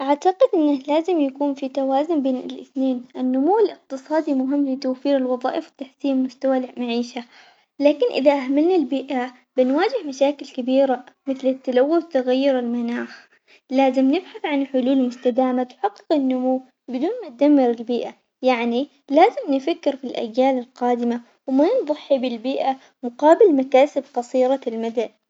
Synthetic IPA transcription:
ʔaʕt̪aqɪd̪ʔɪnːalaːzɪmjakuːnfit̪awaːzʊnbeːnɪ̰lʔɪ̰θneːnʔɪnːʊmuwːɪlɪq̚t̪ɨsˤɑːd̪imʊɦɪmːlɪt̪awfiːɾɪlwɑðˤɑ̰ːʔɪfwɪt̪ːaħsiːmmʊst̪awalmaʕiːʃa | laːkɪnʔɪ̰ðaʔahmalnalbiːʔa | b̥ɪnwaːd͡ʒɪhmaʃaːkɪlkɪbiːɾamɪθlɪt̪ːalawːʊθt̪aɣajːʊɾɪlmanaːx | laːzɪmnɪbħaθʕanħʊluːlmʊst̪ad̪aːmat̪ħɑqːɨ̥qɪnːʊmuw | bɪd̪uːnmat̪̚d̪amːɪɾɪlbiːʔa | jaʕni | laːzɪmnɪfakːɪɾfilʔa̰d͡ʒːaːlɪlqɑːd̪ɪma | wmanðˤɑħːibɪlbiːʔa | mʊqɑːbɪlmakaːsɪb̚qɑsˤiːɾɑlmad̪an

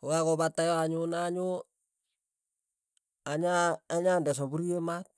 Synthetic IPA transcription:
kokakɔbatːajɔaɲʊnaɲʊ | aɲaːɲandɛs̬ɔbuɾijemat̚

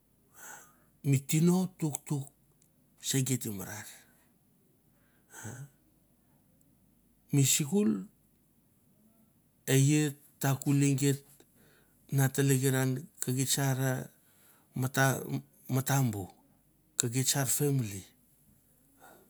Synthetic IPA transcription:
mitino̞tuktuk̚ | seɡetimaɾaɾ | a | misikul | eje | tːakuliŋɡet̚ | nataleɡeɾankaɡet͡ʃaɾa | mata | matambu | kaɡet͡ʃaɾfemli

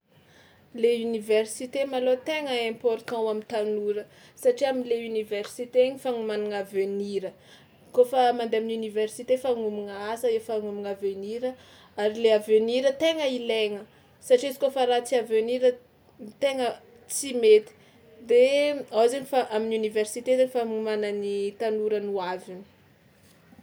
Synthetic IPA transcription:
leyniversit̪emalot̪eŋəɛ̃mpoɾt̪ɑ̃wamint̪anuɾə | saʈ͡ʂiaminleyniversit̪eɲifaŋumanaŋaveniɾə | kofəmand̪eaminuniversit̪efaŋumiŋəasəefaŋumiŋaveniɾə | aɾileaveniɾət̪eŋəileŋə | saʈ͡ʂizi̥kofəɾat͡siaveniɾə | t̪eŋə | t͡simet̪i̥ | d̪eazenifaʔaminuniversit̪ezanifaŋumananit̪anuɾənuavini̥

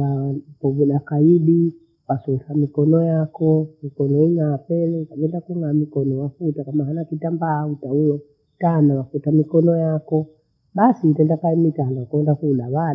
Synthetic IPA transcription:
akɔvulakaiɗi | wasusamikɔnɔjakɔmikɔnɔiŋapɛlɛkaɓɛndakuŋɡamikɔnɔwafutakamaɦanakitambaːutauwɛ | tanawafutamikɔnɔjakɔ | ɓasitɛndakaimitanakɛndakulaβa

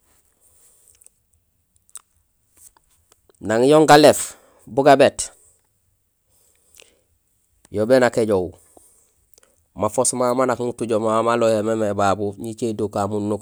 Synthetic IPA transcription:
naŋjoŋɡalef | buɡabet | jobenakeɟow | mafosmamanakŋutuɟomamalohememebabuɲit͡ʃedokamunːuk

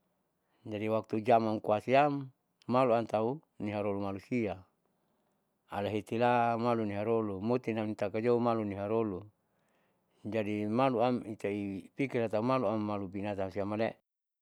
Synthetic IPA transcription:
d͡ʒadiwak̚t̪ud͡ʒamaŋkuasiamː | aluant̪au | niɦaɾolumalusia | alaɦit̪ilamaluniɦaɾolumot̪inamit̪akad͡ʒoumaluniɦaɾolu | d͡ʒadimaluamit̪aipikirlat̪aumaluamːalubinat̪amsiamalɛʔ

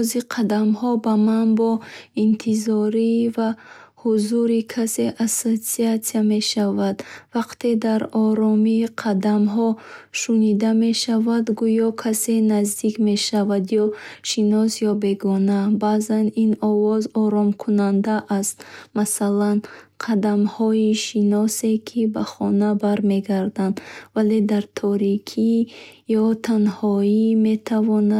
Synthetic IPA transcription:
ziqʰad̪amhɔbamanbɔint̪ʰizɔɾivahuzuɾikʰase̞ʔasot̪siat̪siame̞ʃavad̪vaqt̪ʰe̞d̪aɾɔɾɔmiqʰad̪amɦɔʃunid̪ame̞ʃavad̪ɡujɔkʰase̞nazd̪ikme̞ʃavad̪jɔʃinɔsjɔbe̞ɡɔnabazaninɔvɔzɔɾɔmkʰunand̪aʔːst̪masalanqʰad̪amhɔiʃinɔse̞kʰibaχɔnabaɾme̞ɡaɾd̪and̪vale̞d̪aɾt̪ʰɔɾikʰijɔt̪ʰanhɔime̞t̪ʰavɔna

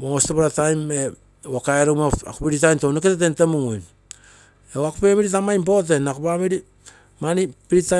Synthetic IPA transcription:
moostopaɾatajme | akaeɾomaa̰kupiɾitajntowneketet̬entemuŋujn | ewakupemiɾit̬amajmpo̞t̬e̞nakupamiɾi | manipiɾita

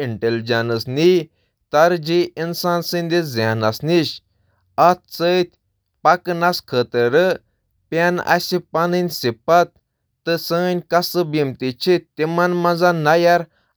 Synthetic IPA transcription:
iɳʈeld͡ʑanəsni | t̪aɾd͡ʑiinsansĩnʲd̪esd͡zjanasniɕ | at̪̚sət̪ʲ | paknaskʰəːt̪əɾə | pʲana̰sipaninʲsipat̪̚ː | ɨsənʲkasɨbimt̪it͡ʃʰit̪imanmãd͡zanajaɾ

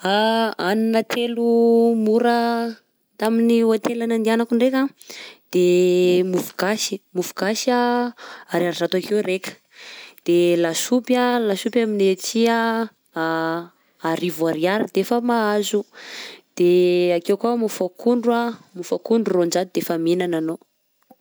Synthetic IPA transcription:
aaninat̪ʰelumuɾə | t̪aminiat̪elanand̪ianakuɳɖ͡ʐeka | d̪̥emufuɡaʃi̥mufuɡaʃa | aɾiaɾizat̪akewɾekə̥ | d̪̥elasupjalasupjaminet͡sia | aɾivuaɾiaɾid̪efəmaazud̪̥eakewkamufakʰuɳɖ͡ʐuamufakuɳɖ͡ʐurond͡ʒad̪id̪efamenanano

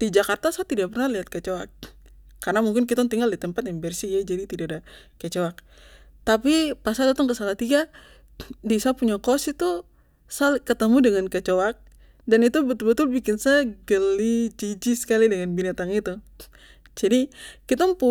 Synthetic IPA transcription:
did͡ʒakart̪asat̪idaʔpərnaliɦat̪̚kət͡ʃoak̚ː | arnamuŋkɪnk̬it̪ɔŋt̪iŋɡaldit̪əmpat̪̚jaŋbɛrsijad͡ʒadit̪idaadakət͡ʃoak̚ | t̪apipasadat̪ɔŋkəsalaht̪iɡa | disapuɲakɔsit̪u | salkət̪əmudəŋankət͡ʃoak̚ | danit̪ubət̪ʊlbət̪ʊlbikɪnsaɡəlid͡ʒid͡ʒisə̥kalidəŋanbinat̪aŋit̪u | d͡ʒadikit̪ɔŋpu

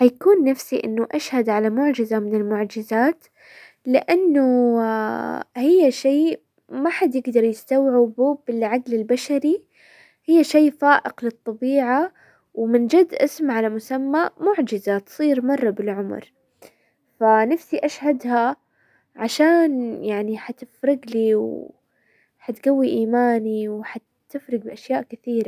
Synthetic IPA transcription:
ħajkuːnːafsiʔɪ̰nːʊʔaʃhad̪ʕalamʊʕd͡ʒɪzamɪnɪlmʊʕd͡ʒɪzaːt̪ | lɪʔanːu | hɪjːaʃeː | maħad̪jɪɡd̪ɑɾˤjɪst̪awʕɪbubɪlʕaɡlɪlbaʃaɾi | hɪjːaʃiːfaːʔɪqlɨt̪ˤːɑbiːʕa | wmɪnd͡ʒad̪ːʔɪsmʕalamʊsamːamʊʕd͡ʒɪzat̪sˤiːɾmɑrˤːɑbɪlʕʊmɾ | fanafsiʔaʃhad̪ha | ʕaʃaːnjaʕniħat̪ɪfɾɪɡliːw | ħat̪ɡawːiʔiːmaːniwħa | t̪ɪfɾɪɡ̚bɪʔaʃjaːʔkɪθiːɾa

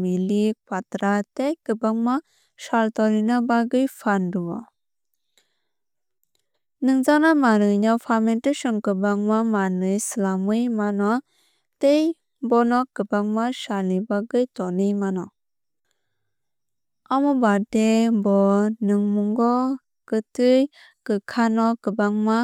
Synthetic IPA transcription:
milikʰwatɾatejkɯbaŋma | saltɔɾinabaɡɯjpʰanduwɔ | nɯŋzanamanɯjnapʰamentesɔnkɯbaŋmamanɯjslamɯjmanɔ | tej | bɔnɔkɯbaŋmasalnibaɡɯjtɔnimanɔ | amɔbadebɔnɯŋmuŋɡɔ | kɯtɯj | kɯkʰanɔkɯbaŋma

